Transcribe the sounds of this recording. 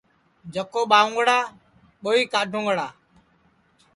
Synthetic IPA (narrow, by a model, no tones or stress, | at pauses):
d͡ʒəkoːɓaːʊ̃ːŋɡɽaː | ɓoːiːkaːɖʱõːŋɡɽaː